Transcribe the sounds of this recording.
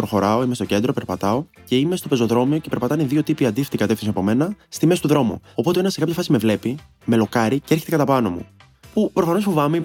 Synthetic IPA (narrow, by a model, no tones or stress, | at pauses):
pɾo̞xo̞ɾɐo̞imest̪oce̞nd̪ɾo̞pe̞ɾpɐt̪ɐo̞ | ce̞ime̞st̪o̞pe̞zo̞ðɾo̞mio̞ce̞peɾpɐt̪ɐneðio̞t̪ipiɐnd̪ift̪ikɐt̪efθinsiɐpo̞me̞nɐst̪imesi̥t̪uðɾo̞mṵo̞po̞t̪e̞enɐse̞kɐpçɐfɐsime̞vle̞pi | me̞lo̞kɐɾiceeɾçe̞t̪ekɐt̪ɐpɐno̞mṵ | pupɾo̞fɐnosfovɐme